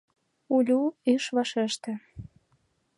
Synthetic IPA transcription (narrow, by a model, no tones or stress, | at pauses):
ulʲuyʃβɑʃeʃt̪ĕ